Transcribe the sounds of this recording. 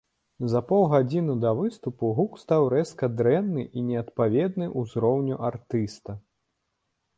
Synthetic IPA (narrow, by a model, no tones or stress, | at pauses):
zɐpɔwˠɣad͡zʲinud̪ɐvɨst̪upuɣukst̪awɾɛskɐd̪ɾɛnːɨʔinʲɛɐt̪pavʲɛd̪nɨʔuzɾɔwnʲuʔart̪ɨst̪ɐ